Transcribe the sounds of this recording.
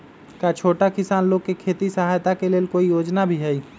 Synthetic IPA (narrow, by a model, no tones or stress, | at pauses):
kat͡ʃʰoːʈakɪsaːnloːɡ̚kekʰeːt̪isəɦaːjt̪akeleːlkoːijoːd͡ʒnabʱiɦɛi